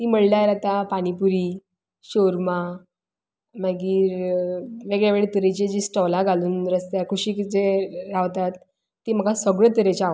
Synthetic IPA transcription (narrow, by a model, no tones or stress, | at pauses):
t̪iːməɽlajɾat̪apaɽ̃ipuɾiː | ɕoɾma | maɡiːɾ | ʋeɡɭjaʋeɭet̪əɾet͡ɕed͡ʑiːsʈɔlaɡʱaluːnɾəst̪jakʰuɕiːkd͡zeɾaʋt̪at̪ː | im̤əɡasəɡɭət̪əɾet͡ɕaaʋ